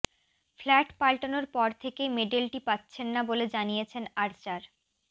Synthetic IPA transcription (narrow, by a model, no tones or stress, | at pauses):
flɛʈpalʈonoɾpɔɾt̪ʰekejmeɖelʈipatːɕʰenːaboled͡ʑanijet͡ɕʰenaɾt͡ɕaɾ